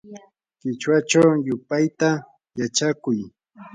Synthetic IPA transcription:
kɪt͡ʃwat͡ʃawjʊpajt̪a | jat͡ʃakʊj

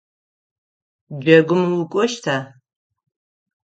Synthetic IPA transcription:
d͡ʒɐɡʷʊmwʊkʷʼɔʃtʰaː

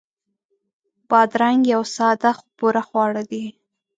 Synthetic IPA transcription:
b̥ɑd̪ɾaŋɡjawsɑd̪axpuɾaxwɑɽad̪i

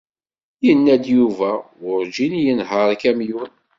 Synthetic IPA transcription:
jənːæd̪juvæ | ʊɾd͡ʒinjənɦəɾˤkæmjun

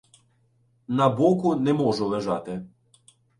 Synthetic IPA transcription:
nɐbɔkʊnɛmɔʒʊlˠeʒɑt̪ɪ

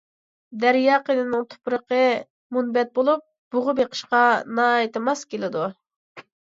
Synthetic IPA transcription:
d̪æɾjɑqed̪ɨnɨŋt̪ʰo̥pɾəqə | munbɛt̪̚bolˠup̚ | b̥ʊʁʊbeqʰə̥ʃqɑnɑːjt̪ɨmɑskʲelɪd̪u

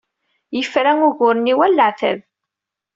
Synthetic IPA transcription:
jəfɾæŋʊʝʊɾəniwælːaʕθæ̰ð

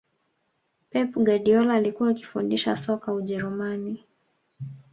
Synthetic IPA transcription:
pɛpuɡaɗiɔlaːlikuwaːki̥fundiʃa̰sɔkauʄɛɾumani

